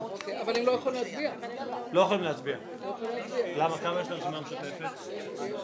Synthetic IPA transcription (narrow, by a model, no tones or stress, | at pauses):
okeavalemlojaχolimlat͡sbialo̞jaχolimleat͡sbia | lojeχolimlat͡sbialamakamajeʃlasimameʃot̪efet̪